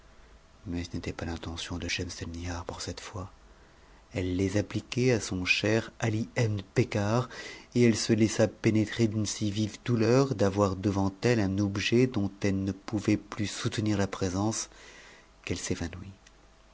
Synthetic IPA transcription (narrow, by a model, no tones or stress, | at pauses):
mɛsənet̪ɛpalɛ̃t̪ɑ̃sjɔ̃d̪əʃɛmst̪ɛlniaʁpuʁsɛt̪fwa | ɛlːezaplikʲɛasɔ̃ʃɛʁaliɛmpekaʁeɛlsəlɛsapenet̪χed̪ynsivivd̪ulœʁd̪avwaʁd̪əvɑ̃t̪ɛlɛ̃nɔbʒɛd̪ɔ̃t̪ɛlnəpuvɛplysut̪niʁlapχezɑ̃s | kɛlsevanwi